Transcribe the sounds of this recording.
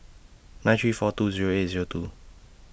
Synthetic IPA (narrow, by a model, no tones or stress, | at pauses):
nãj̃ntʰɹifɔtuziɹoetziɹotu